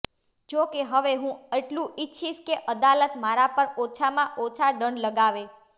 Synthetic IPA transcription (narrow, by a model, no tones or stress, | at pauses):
d͡ʒokeɦəʋeɦũeʈlũɪtːʃʰiʃkeʔəd̪alət̪maɾapəɾot͡ʃʰamãʔot͡ʃʰaɖəɳləɡaʋe